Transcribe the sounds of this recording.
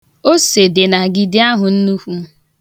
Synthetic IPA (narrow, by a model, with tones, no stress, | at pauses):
o˦se˨de˨na˨ɡi˨dɪ˦a˦ɦʊ˨n̩˦nu˦hʷu˦